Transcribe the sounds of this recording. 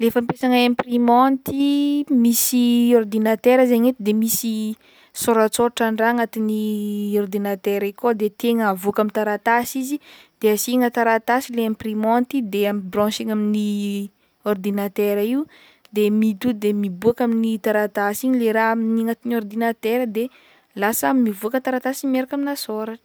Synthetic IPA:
lefampesaŋaẽmprimɔnt̪imisiɔrd̪inat̪eɾəzeɲet̪id̪emisi | soɾat͡soʈ͡ʂaɳɖ͡ʐaŋat̪iniɔrd̪inat̪ɛɾikod̪et̪eŋəavuakamint̪aɾat̪asizi | d̪̥easiŋət̪aɾat̪asileẽprimɔ̃nt̪id̪eamibrɔ̃ʃiŋamini | ɔrd̪inat̪eɾaiu | d̪emit̪ud̪emibuakaminit̪aɾat̪asiɲileɾaaminiŋat̪inɔrd̪inat̪ɛɾəd̪e | lasəmivuakət̪aɾat̪asimeɾakaminasoɾaʈ͡ʂə̥

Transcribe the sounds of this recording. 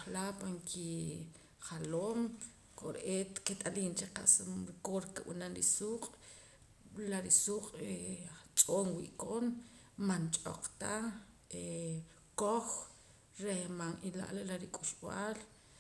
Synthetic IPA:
χlapaŋkʰi | χaloːm | koɾʔeket̪ʼaliːnt͡ʃeqa̰ʔsumɾikoɾkeɓṵnanɾḭsuːqʼ | laɾisuːqʼet͡ʃʼoːnwḭʔkoːn | mant͡ʃʼo̰q͡χt̪ae | koχ | ɾehmanila̰ʔlalaɾikʼuʃɓaːl

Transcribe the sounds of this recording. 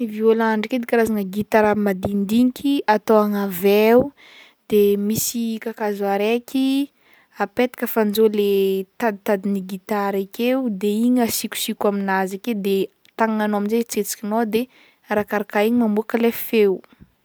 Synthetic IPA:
iviolaɳɖ͡ʐiked̪ikaɾazanəɡit̪aɾamad̪ind̪iŋikʲʰiat̪oaŋaveu | d̪̥emisikakazaɾekʲʰi | apet̪ḁkʲəfand͡ʒolet̪ad̪it̪ad̪iniɡit̪aɾikʲeud̪eiɲasikʲu̥sikʲaminazaked̪e | t̪aŋŋanoaminzet͡set͡si̥kʲinod̪e | ɾakaɾakaiɲimambuakəlefew

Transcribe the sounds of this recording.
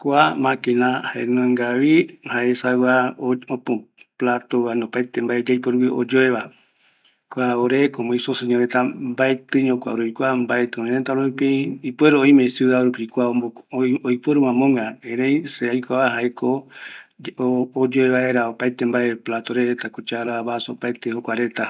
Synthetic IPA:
kʷamãkenãhaḛnõŋɡaβihaʔesaaopõplat̪oanopajt̪embaed͡ʒajpoɾuwio̰d͡ʒoeβa | kʷaoɾekomoĩsoseɲoɾet̪ambaet̪ɨɲõkʷa̰oɾupikʷambaet̪ɨ̃õneɾent̪aɾopeipweɾooĩmẽsuðaoɾupikʷaoojpeɾumãmõŋɡaẽɾẽjseajkʷaβaɦaeko | oːd͡ʒoeβaeɾaopajt̪embaeplat̪oɾeɾet̪akut͡ʃaɾaβasoopajt̪ehokʷaɾet̪a

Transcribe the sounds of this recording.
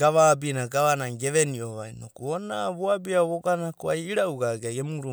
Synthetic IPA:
ɡaβabinaɡaβanaɡe̞βenioβajnokuonaβoabiaβoɡanakoajiɾauɡaɡaɡemuɾu

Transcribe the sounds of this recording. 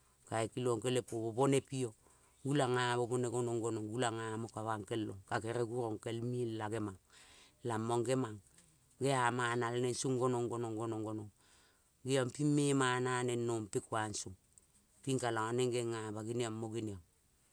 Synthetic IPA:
kaekiloŋkelepoβoβonepio | ɡulaŋaβoboneɡonoŋɡonoŋɡulaŋamokaβaŋkelːoŋkakeɾeɡuɾoŋkelmilaɡemaŋlamːoŋɡemaŋ | ɡeamanalenensuŋɡonoŋɡonoŋɡonoŋɡonoŋ | ɡiampimːemananenːompikwansuŋ | piŋkalaŋaneŋɡeŋaβaɡiniamːoɡinia

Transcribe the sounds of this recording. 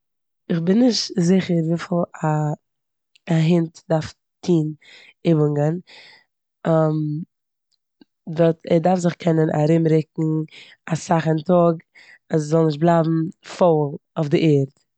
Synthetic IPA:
ɪχbɪnːɪʃtzɪχəɾviːfɪlˠa | ɦɪntdaɾf | tʰiːn | ɪbəŋɡən | am | vɔtɛdaɾfzɪχkʰɛnənʔa̰ɾɪmɾɪk̚ŋ̩ | asaχəntɔɡ | aszɔlˠnɪʃ̬t̚blˠaɪbm̩folˠʊfdɪʔeːɾt

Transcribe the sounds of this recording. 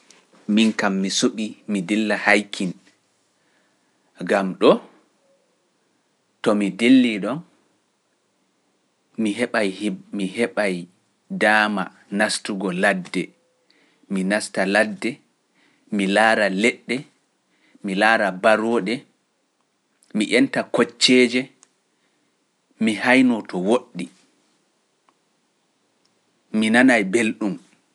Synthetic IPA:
minkamːisuɓimidilːahajkʰin | ɡamɗɔ | tɔmidelːiɗɔn | mihɛɓajmihɛɓaj | daːma | nastuɡɔladːɛ | minastaladːɛ | milaːɾalɛɗːɛ | milaːɾabaɾɔːɗɛ | miʔɛntakot͡ʃːɛːd͡ʒɛ | mihajnɔtɔwoɗːi | minanajbelɗum

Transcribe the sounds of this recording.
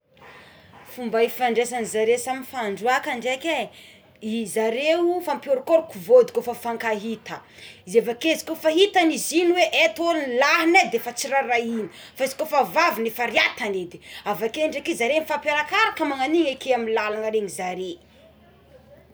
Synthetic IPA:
fumbaifaɳɖ͡ʐesanizaɾesaminfaɳɖ͡ʐuakaɳɖ͡ʐekʲe | izaɾewufampioɾkoɾukuvod̪i̥kofafaŋkaɦit̪əizevakezi̥kofaɦit̪anizinweʔet̪olnlaɦaned̪efat͡siɾaɾaini̥faizi̥kofavavinefaɾiat̪aned̪i̥avakeɳɖ͡ʐekezaɾenifapaɾakaɾakəmaŋaniŋekeaminlalaŋaɾeŋizaɾe

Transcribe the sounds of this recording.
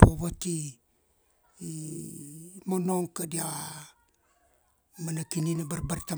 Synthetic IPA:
poβati | monoŋkadia | manakininabaɾbaɾta

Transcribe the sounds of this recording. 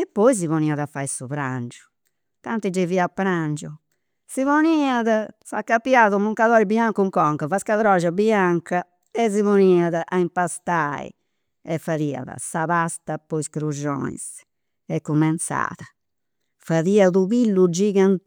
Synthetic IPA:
ɛpːɔjzivɔniːaðafːaːjsuβɾa̰nd͡ʒu̥ | t̪ant̪id͡ʒɛviːapːɾand͡ʒu | sivoniːaðafa̰kːapːjaðumuŋkaðɔɾibiaŋkuŋkɔŋkavaskaðɾɔːʃabiaŋka | ɛzivoniːaðaʔaimpast̪aːḭ | ɛfːaɾiːa̰ða̰saβast̪apɔiskɾud͡ʒɔ̰ːḭs | ɛkːumɛnt̪sa̰ːða | faðiːaðuβilːud͡ʒiːɣan

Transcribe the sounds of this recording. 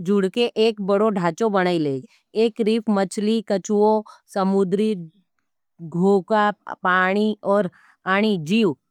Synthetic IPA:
d͡ʒʊɽkeʔeːkbɐɽoɖʱaːt͡ʃobɐɽaːileː | eːkɾiːpʰmɐt͡ʃlikɐt͡ʃwosɐmʊd̪ɾi | ɡʱoːkapaːɽ̃iɔːɾ | aːɽ̃id͡ʒiːw

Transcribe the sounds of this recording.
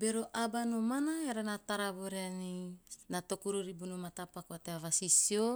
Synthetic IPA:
beɾoʔabanomanaeɾanat̪aɾaβoɾeaninat̪okuɾuɾibunomat̪apakoat̪eavasisio

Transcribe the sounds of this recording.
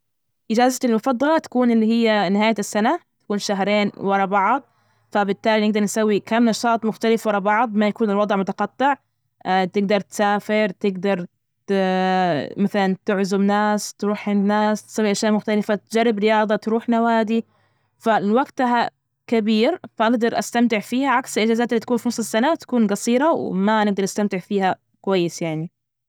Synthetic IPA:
ʔɪd͡ʒaːzat̪ɪlmʊfɑd̪ˤːɑlɑt̪ḁkuːnɪlːihɪjːanɪɦaːjasːanat̪ḁkuːnʃaɦɾeːnwɑɾˤɑbɑʕd̪ˤ | fabɪt̪ːaːlinɪɡ̚d̪ɑɾˤnɪsawːikaːnnɑʃɑːt̪ˤmʊxt̪alɪfwɑɾˤɑbɑʕd̪ˤmajakuːnɪlwɑd̪ˤʕmʊt̪aqɑt̪ːɪʕ | t̪ɪɡ̚d̪ɑɾˤt̪saːfɪɾt̪ɪɡd̪ɑɾˤ | maθalant̪ɪʕzʊbnaːst̪ɾuːħʕɪnd̪naːst̪sˤiːlʔaʃjaʔmʊxt̪alɪfat̪d͡ʒarˤːɪbɾɪjɑːðˤɑt̪ɾuːħnawaːd̪i | falwaɡt̪aɦa | kabiːɾfaʔaɡd̪ɑɾˤʔast̪amt̪ɪʕfiːhaʕaksɪlʔɪd͡ʒaːzaːt̪ɪlːit̪ḁkuːnfinɑsˤlɪsːanat̪ḁkuːnɡɑsˤiːɾɑw̰manɪɡ̚d̪ɑɾˤʔast̪amt̪ɪʕfiːha | kwajːɪsjaʕni

